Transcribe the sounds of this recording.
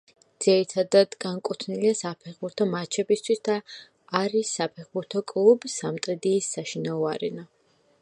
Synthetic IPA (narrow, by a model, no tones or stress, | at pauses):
d̪z̥iɾit̪ʰad̪ad̪ɡaŋkʼut̪ʰniliasapʰɛχbuɾt̪ʰɔmat͡ʃʰɛbist̪ʰwisd̪aː | ɾisːapʰɛχbuɾt̪ʰɔkʼlˠubisamt̪ʼɛd̪iːsːaʃinaɔaɾɛ̰na